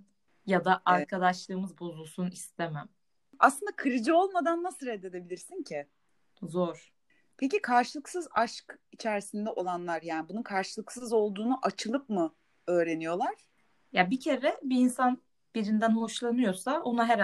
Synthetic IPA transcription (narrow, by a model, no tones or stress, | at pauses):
jad̪aʔaɾkʰad̪aʃlˠɯːmɯzbozulˠsunist̪ʰemæm | a̰slˠɯnd̪akʰɯɾɯd͡ʒɯo̞lˠmad̪anːasɯɾɛd̪ed̪e̞bilʲiɾsincʰɪ | zoɾ̥ | pʰecikʰaɾʃɯlˠɯksɯzaʃkit͡ʃʰæɾsind̪ɛʔo̞lˠanlˠaɾjaːnibununkʰaɾʃɯlˠɯksɯzo̞lˠd̪uːnuʔat͡ʃʰɯlˠɯp̚mɯ | ø̞ːɾe̞nijo̞lˠaɾ̥ | jabicʰe̞ɾɛbiːnsan | b̥iɾind̪ænhoʃlˠanɯjo̞sao̞naɦɛɾ